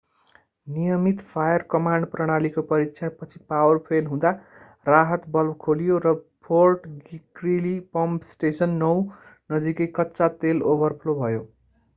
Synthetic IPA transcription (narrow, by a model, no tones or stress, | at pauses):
nijʌmit̪pʰajʌrkʌmaɳɖprʌɽ̃alikopʌɾiksʰʌɽpʌt͡sʰi̥pawʌrpʰelɦũd̪a | raɦʌt̪bʌlbkʰolijorʌpʰorʈɡikrilipʌmpsʈesʌnːʌwnʌd͡zikʌjkʌtːsat̪elobʌrpʰlobʱʌjo